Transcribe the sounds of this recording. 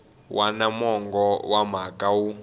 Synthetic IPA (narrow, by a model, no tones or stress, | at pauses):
wʔanamɔŋɡɔwam̤akʼawu